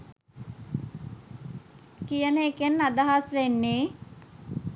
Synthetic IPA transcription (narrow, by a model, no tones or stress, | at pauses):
kijənəekenːad̪aɦasʋenːeː